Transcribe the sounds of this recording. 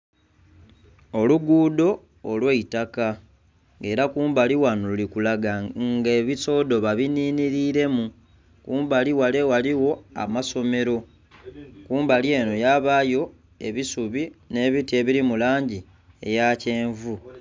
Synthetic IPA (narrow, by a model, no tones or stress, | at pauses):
o̞luɡuːdo̞ː | lweitaka | ŋɡe̞ːɾakuːmbaliwanolulikulaɡaŋɡeːβiso̞ːdo̞βaβiniːniɾiɾe̞mu | kuːmbaliwale̞waliwo̞a̰maso̞me̞ɾo̞ | kuːmbalje̞ːno̞jaβajo̞ | e̞βisuβine̞ːβitie̞βiɾimulaːɲɟi | ḛjace̞ːɱvu